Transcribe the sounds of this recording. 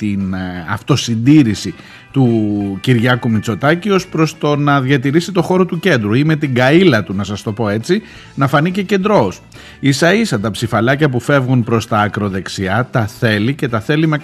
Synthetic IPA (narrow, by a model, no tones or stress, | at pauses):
t̪inɐ̰ft̪o̞sind̪iɾisi | t̪uciɾʝɐkumit͡so̞t̪ɐcio̞spɾo̞st̪o̞nɐðʝɐt̪̬iɾisit̪o̞xo̞ɾo̞t̪uce̞nd̪ɾuime̞t̪iɡɐilɐt̪unɐsɐst̪o̞po̞e̞t͡si | nɐfɐnice̞ce̞nd̪ɾo̞s | isɐisɐt̪ɐpsifɐlɐcɐpufe̞vɣunpɾo̞st̪ɐːkɾo̞ðe̞ksiɐt̪ɐθe̞lice̞t̪ɐθe̞lime